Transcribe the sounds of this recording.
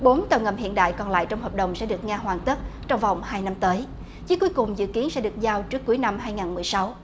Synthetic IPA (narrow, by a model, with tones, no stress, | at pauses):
ɓo˨˦nt̪ə˨˩wŋə̰˧˩mhḭ˧˨ənɗa̰ː˧˨jkɔ˨˩nla̰ː˧˨jt͡ɕɔ˧wŋ͡mhəː˨˩p̚ɗə˨˩wŋ͡msɛ̰˧˥ɗɨ˨˩ək̚ŋaː˧ɦwaː˨˩ŋt̪ə˦˥t̚t͡ɕɔ˧wŋ͡mva˨˩wŋ͡mhaː˧jna˧mt̪əː˨˦j | zi˧˨˦ku˨˦jkʊ˨˩ŋ͡mzɨ̰˧˨ki˨˦ənsɛ̰˧˥ɗɨ˨˩ək̚zaː˧wt͡ɕɨ˦˥əkːu˨˦əjna˧mɦaː˧jŋaː˨˩nmɨ˨˩əjsa˨˦w